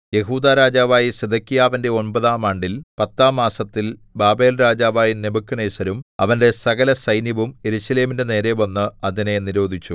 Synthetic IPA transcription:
je̞ɦuːd̪aːɾaːd͡ʑaːʋaːjised̪ɐkːijaːʋɐnde̞o̞nbɐðaːmaːɳɖilpɐt̪ːaːmaːsɐt̪ːilbaːbe̞ːlɾaːd͡ʑaːʋaːjinebɐkːunejsɐɾumɐ̰ʋɐnde̞sɐɣɐlɐsɐjnjɐʋume̞ɾuɕɐle̞ːmindene̞ːɾe̞ʋɐnːɨɐðine̞niɾo̞ːd̪ʱit͡ɕːu

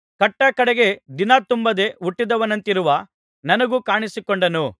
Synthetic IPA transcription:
kɐʈːɐkɐɽɛɡe̞d̪inaːt̪umbɐd̪e̞uʈːid̪ɐʋɐnɐnt̪iɾuʋɐ | nɐnɐɡukaːɳisikoɳɖɐnu

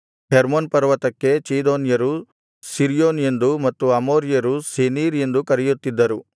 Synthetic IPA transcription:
heɾmonpɐɾʋɐt̪ɐkːe̞t͡ʃiːd̪oːnjɐɾu | siɾjoːne̞nd̪umɐt̪ːuɐmoːɾijɐɾuseniːɾend̪ukɐɾijut̪ːid̪ːɐɾu

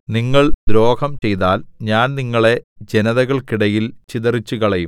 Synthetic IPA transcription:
niŋːɐɭd̪ɾo̞ːkʰɐmt͡ɕe̞jt̪aːlɲaːnniŋːɐɭe̞d͡ʑenɐðɐɣɐɭkiɽɐjilt͡ɕiðɐrit͡ɕːukɐɭɐjum

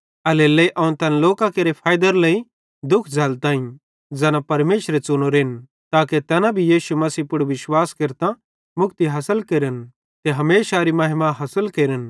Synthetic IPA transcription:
ɐleleiʔɐʊ̃nt̪ɐnloːkãkeːɾepʰaːjd̪əɾlɐi | d̪ʊkʰd͡zʱɐlt̪ãːĩ | d͡zɛːnãpɐɾmeːʃɾet͡sʊnoɾeːn | t̪aːket̪ɛːnãbʱijiːʃumɐsiːpʊɽʋɪʃwaːskɪɾt̪ã | mʊkt̪iɦɐsəlkeɾən | k̪eɦɐmeːʃaɾimɐɦɪmaɦɐsəlkeːɾən

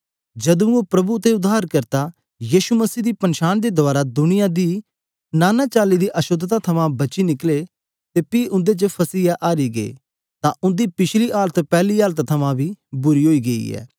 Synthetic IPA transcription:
d͡ʒɐd̪ũopɾɐbut̪ːeʊd̪aːɾkɐɾt̪a | jiːʃumɐsiːd̪iːpɐ̃nʃaːnd̪ed̪ʊaːɾad̪ʊnɪjãd̪iː | naːnaːt͡ʃaːlid̪iʔɐʃʊd̪t̪at̪ʰɐmãbɐt͡ʃinɪkle | t̪epiʔʊ̃nd̪et͡ʃəpʰɐsiːaʔaːɾiɡeḛ | t̪ãʔʊ̃nd̪ipɪt͡ʃʰliʔaːlət̪pɛːliaːlt̪t̪ʰɐmãbʱibʊɾiɦoːiɡɐḭɛ̰ː

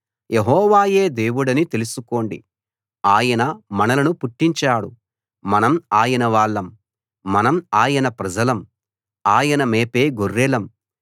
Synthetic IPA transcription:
jeɦɔːʋaːje̞ːd̪e̞ːʋuɽɐnit̪e̞lusuko̞ːɳɖḭ | aːjɐnɐmɐnɐlɐnupuʈːiɲt͡ʃaːɽṵ | mɐnɐmaːjɐnɐʋaːɭːɐmː | ɐnɐmaːjɐnɐpɾɐd͡ʒɐlɐm | aːjɐnɐmeːpe̞ːɡorːɛlɐm

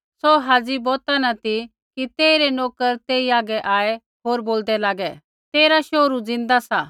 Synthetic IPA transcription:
sɔɦaːd͡zibɔːt̪anɐt̪i | kit̪eːiɾɛnoːkəɾt̪eːiaːɡɛʔaːɛ | ɦoːɾboːld̪ɛlaːɡɛ | t̪eːɾaʃoːɾud͡zɪ̃nd̪asa

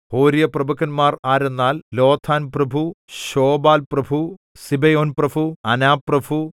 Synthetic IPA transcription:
hoːɾijɐprɐbɐkːɐnmaːraːɾenːaːllo̞ːt̪ʰaːnprɐbʱuɕoːbaːlprɐbʱu | sibɐjoːnprɐbʱuɐnaːpːrɐbʱu

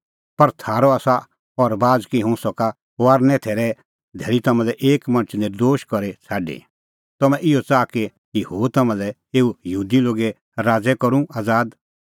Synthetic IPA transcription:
pɐɾt̪ʰaːɾɔaːsa | ɔɾbaːd͡zkiɦʊ̃sɔka | aːɾnɛ̃t̪ʰeːɾɛ | d̪ʱɛːɾit̪ɐmɛ̃lɛʔeːkmɐ̃nt͡ʃʰnɪɾd̪oːʃkɔɾet͡sʰaːɖḛ | t̪ɔmɛ̃ʔɪjɔt͡saːke | kihoːt̪ɐmãlɛ | eːujɐɦuːd̪iloːɡe | ɾaːd͡zɛkɔɾũaːd͡zaːd̪

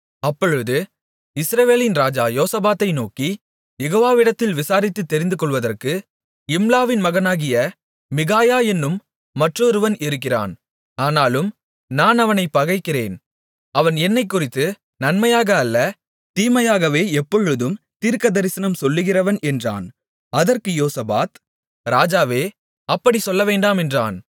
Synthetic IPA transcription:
ɐpːɔɻɯðɯ | ɪsɾɐʋeːlɪnɾaːd͡ʒaːjoːsɐbaːt̪ːɐɪnoːki | jɛɣoːʋaːʋɪɽɐt̪ːɪlʋɪsaːɾɪt̪ːɯt̪ːɛɾɪnd̪ɯkɔɭʋɐðɐrkɯ | ɪmlaːʋɪnmɐɣɐnaːɣɪjɐ | mɪɣaːjaːɛnːɯmː | ɐʈrɔɾɯʋɐnʔɪɾɯkːɪra̰ːn | aːnaːlɯm | naːnɐʋɐnɐɪpːɐɣɐɪkːɪrḛːn | ɐʋɐnɛnːɐɪkːʊrɪt̪ːɯ | nɐnmɐjaːɣɐːlːɐ | t̪iːmɐjaːɣɐʋeːɛpːɔɻɯðɯm | t̪iːɾkɐðɐɾɪsɐnɐmsɔlːɯɣɪrɐʋɐnɛndra̰ːn | ɐðɐrkɯjoːsɐba̰ːt̪ | ɾaːd͡ʒaːʋeː | ɐpːɐɽisɔlːɐʋeːɳɖaːmɛndra̰ːn

